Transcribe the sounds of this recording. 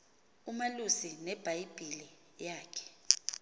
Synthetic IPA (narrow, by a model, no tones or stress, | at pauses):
umalusinɛb̥ʱajib̥ʱili | jaːkʰɛ̥